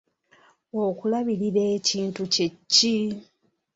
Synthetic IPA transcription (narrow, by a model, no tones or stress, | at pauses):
okulaβiɾiɾe̞ːciːntucecːi